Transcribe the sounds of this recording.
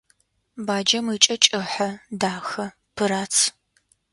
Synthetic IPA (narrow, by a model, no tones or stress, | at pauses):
baːd͡ʒɐmit͡ʃʼɐt͡ʃʼɨħɐdaːxɐ | pʰɨɾaːt͡sʰ